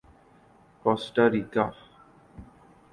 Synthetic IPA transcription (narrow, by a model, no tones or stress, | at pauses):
kɔsʈaɾika